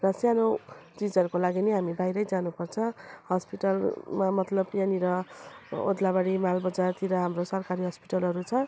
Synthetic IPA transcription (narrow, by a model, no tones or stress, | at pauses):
rʌsjanot͡sid͡zʌɾukolaɡineɦamibajɾʌjd͡zanupʌrt͡sʰʌ̃hʌspiʈʌlmamʌt̪lʌbjaniɾʌ | o̰d̪labaɽimalbʌd͡zart̪ʰiɾʌɦamrosʌrkaɾiɦʌspiʈʌlɦʌɾut͡sʰʌ